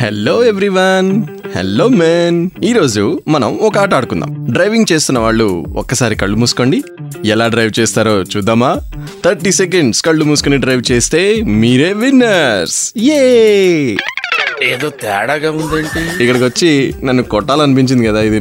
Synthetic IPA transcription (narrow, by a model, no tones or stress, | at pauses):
hḛlːoːeʋɾiʋɐn | hḛlːo̞ːmeniːɾo̞ːd͡ʒumɐnɐ̰mɔkɐaːʈ̬aːɽukund̪a̰ːmɖɾɐjʋiŋɡt͡ʃe̞ːst̪unːɐʋaːɭːṵɔ̰kːɐsaːɾikɐɭːumuːsu̥koːɳɖi | ɛlaːɖɾɐjʋt͡ʃeːst̪aːɾo̞ːt͡ʃuːd̪ːaːmaː | t̪ʰɐɾʈiːsek̬eɳɖskɐɭːumuːsukoniɖɾɐjʋt͡ʃeːst̪e̞ːmiːɾeːʋinːɐɾsje | eːd̪o̞ːt̪ɛ̰ːɽaːɡaːund̪eːɳʈiikːɐɽɐk̬iʋɐt͡ʃːinɐnːukɔʈːaːluɐnip̬iɲt͡ʃind̪ikɐd̪aːid̪i